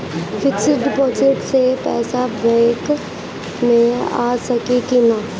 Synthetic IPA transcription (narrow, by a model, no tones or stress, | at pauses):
fɪksɪɖɪpoːd͡ʒɪʈsepɛːsabɛ̃ːk | mẽa̰ːsɐkikina